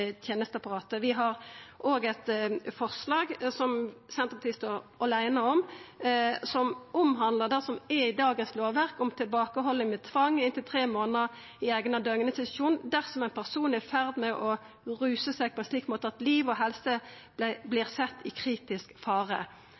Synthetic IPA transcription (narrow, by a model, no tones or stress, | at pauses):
t̪ʰjeːnəst̪ɑpɑʁɑːt̪əʋɪɦɑʁʔoːɡɛt̪fɔʁslɑːɡsɔmsɛnt̪əbɑt̪ʰɪst̪ɔʁɑlæɪnəɔm | sɔmʊmɦɑnd̪ləd̪æʁsɔmɛɪd̪ɑːɡənsloːʋæʁkɔmt̪ʰɪlbɑːkəɦɔlːɪŋmɛt̪ʰʋɑŋːɪnt̪ɪlt̪ʰʁeːmoːnəəʁ | ɪæːɡənɑd̪øŋənəsɪt̪ʃuːnd̪æʁsɔmæɪnpʰæʁsuːnæfæʁd̪mɛʔɔ | ʁʉːsəsæɪɡ̚pʰɔɛnʃliːkmoːt̪əɑt̪liːʋɔɦɛlsə | b̪blɪːʁsɛt̪ːɪkʰʁiːt̪ɪskfɑːʁə̰